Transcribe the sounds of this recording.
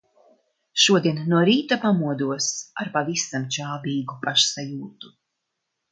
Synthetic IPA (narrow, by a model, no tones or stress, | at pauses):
ʃuɔd̪iɛnːuɔɾiːt̪apamuɔd̪uɔsaɾpavisamt͡ʃaːbiːɡupaʃsajuːt̪u̥